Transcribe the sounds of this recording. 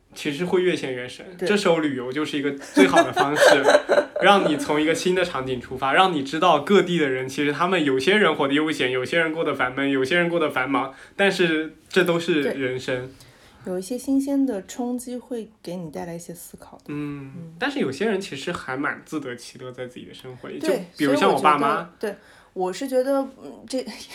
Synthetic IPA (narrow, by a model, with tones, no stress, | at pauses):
t͡ɕʰi˧˥ʂ̬ɻ̩˧˥xwe˥˧ɪɥɛ˥˩ɕʰjɛ˥˩nɥɛ˧˥nʂə˥nʈ͡ʂɤ˥˩ʂ̩˥ʊly˨˩jo˧˥ʊt͡ɕjo˥˧ʊʂɻ̩˥˩i˧˥ɡə˧t͡swe˥˩ɪxɑ˨˩ʊd̪ə˦fɑ˥ŋʂɻ̩˥˩ɻɑ˥˩ŋni˨˩t͡sʰʊ˧˥ŋi˧˥ɡə˧ɕi˥nd̪ə˨ʈ͡ʂʰɑ˧˥ŋt͡ɕi˨˩nʈ͡ʂʰu˥fa˥ɻɑ˥˩ŋni˨˩ʈ͡ʂɻ̩˥t̪ɑ˥˧ʊkɤ˥˧t̪i˥˩d̪ə˩ɻə˧˥nt͡ɕʰi˧˥ʂɻ̩˧˥t̪ʰa˥mə˨njo˨˩ʊɕjɛ˥ɻə˧˥nxwɔ˧˩d̪ɕʰjɛ˧˥njo˨˩ʊɕjɛ˥ɻə˧˥nkwɔ˥˩d̪ə˩fa˧˥nmə˧˥˩njo˨˩ʊɕjɛ˥ɻə˧˥nkwɔ˥˩d̪ə˩fa˧˥nmɑ˧˥ŋt̪a˥˧nʂɻ̩˥˧ | ʈ͡ʂɤ˥˩t̪o˥ʊʂɻ̩˥˩ɻə˧˥nʂə˥n | jo˨˩ʊi˥˩ɕjɛ˥ɕi˥nɕɛ˥nd̪ə˨ʈ͡ʂʰʊ˥ŋt͡ɕi˥xwe˥˩ɪke˧˥ɪni˨˩t̪a˥˩ɪla˧˥ɪi˥˩ɕjɛ˥sɹ̩˥kʰɑ˨˩ʊd̪̥n̩˥˩t̪a˥˧nʂɻ̩˥˩jo˨˩ʊɕjɛ˥ɻə˧˥nt͡ɕʰi˧˥ʂʂɻ̩˧˥xa˧˥ɪma̰˨˩nt͡sɹ̩˥˩t̪ɤ˧˥t͡ɕʰi̥˧˥lɤ˥˧t͡sa˥˧ɪt͡sɹ̩˥˩t͡ɕi˨˩d̪ə̰˩ʂɤ˥ŋxwɔ̰˧˥t̪jo˥˩pi˨˩ɻu˥u˥ɕjɑ˥˩ŋwɔ˨˧˩pa˥˩ma˥t̪we˥˩ɪ | wɔ˨˩ʂɻ̩˥˩t͡ɕɥɛ˧˥d̪ə˧˩ʈ͡ʂe˥˩